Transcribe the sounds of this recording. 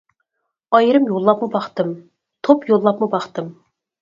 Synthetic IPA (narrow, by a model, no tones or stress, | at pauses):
ɑjɾɨmjolˠːɑpmɨbɑχt̪ɨm | t̪ʰopjolˠːɑpmɨbɑχt̪ɨm